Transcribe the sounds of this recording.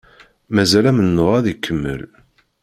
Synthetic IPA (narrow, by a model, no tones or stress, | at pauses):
mæzælæmənːoʁæðikʰːəmːə̰l